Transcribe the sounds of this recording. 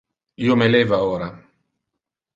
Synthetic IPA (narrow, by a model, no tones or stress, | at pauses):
iːomelɛːvaoːɾa